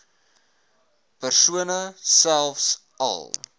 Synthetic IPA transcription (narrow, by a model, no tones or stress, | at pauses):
pərsuənəsælˠfs | ɐ̰lˠ